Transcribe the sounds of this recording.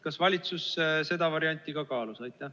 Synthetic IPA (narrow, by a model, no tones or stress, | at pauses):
kɑsvɑlʲit̪susse̞d̪ɑvɑɾiɑnʲt̪ːˑiɡ̥ɑkɑːlusɑjt̪ʲːˑɑ